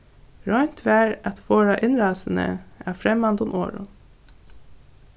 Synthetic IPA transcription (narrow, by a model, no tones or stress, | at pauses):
ɾɔʏnt̪ʰʋæːɾɑt̪foːɹɑʔɪnɾɑːsən̩ə̰æːfɾɛmɑnd̪ʊmʔo̰ːɹʊ̰